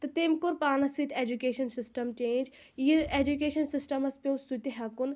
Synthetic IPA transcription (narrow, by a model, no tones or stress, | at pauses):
t̪ɐt̪emkuɾpaːnɐsit̪ʰeːd͡ʒukeːʃɐnsɪsʈɐmt͡ʃẽːnd͡ʒ | iiɾeːd͡ʒukeːʃɐnsisʈɐmɐspʲõwsut̪iɦɐkun